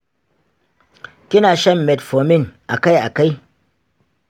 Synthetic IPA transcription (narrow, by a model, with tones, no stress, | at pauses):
kʲɪ˦naː˨ʃɐ˦mːɛ˨tfo˨mɪ˦˨ŋʔa˨ka˦jʔa˨ka˦j